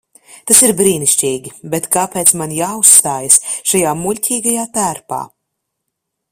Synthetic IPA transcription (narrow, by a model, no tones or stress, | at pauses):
t̪asiɾbɾiːniʃt͡ʃiːɡʲibet̪kaːpeːt̪smanjaːust̪aːjasʃajaːmulʲcʲʰiːɡajaːt̪æːɾpa̰ː